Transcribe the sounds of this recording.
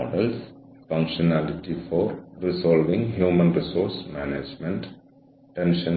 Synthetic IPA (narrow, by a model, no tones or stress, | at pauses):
ɔɖəlsfʌ̃ŋkʃɔnælɪʈifɔːɾɾisɔːlʋĩŋɡɦjuːmə̃nɾɪsoːɾsmæːned͡ʒmɛ̃ɳʈ | ʈẽnʃə̃n